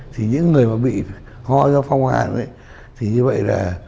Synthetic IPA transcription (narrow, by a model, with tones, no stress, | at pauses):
t̪ʰi˨˩ɲɨ̰˧˥ŋːɨ˨˩əjmaː˨˩ɓḭ˧˨ | hɔ˧zɔ˧fa˧wŋ͡mha̰ː˨˩nʔə̰˧˦j | t̪ʰi˨˩ɲɨ˧və̰˧˨jlaː˨˩